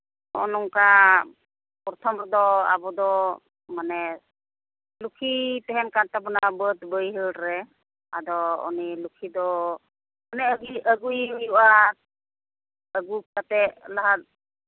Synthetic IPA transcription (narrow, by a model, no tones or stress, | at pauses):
ɔ̰nɔŋka | pɔɾɔt̪ʰɔmɾɔd̪ɔa̰bɔd̪ɔ | manɛ | lukʰit̪ɛɦɛnkantapɔnabət̪bəjɦəlɾɛ | a̰d̪ɔɔ̰nilukʰid̪ɔ | manɛɡiəɡujjuʔa | əɡukat̪ɛlaɦat̪̚